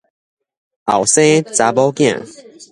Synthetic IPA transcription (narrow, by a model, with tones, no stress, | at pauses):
a̰˨˩wsẽ˦t͡sa˨˧bɔ˦kj̃ã̰˨